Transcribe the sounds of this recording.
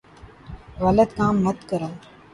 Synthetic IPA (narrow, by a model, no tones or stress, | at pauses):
ɣələd̪kaːmːɐt̪kəɾãː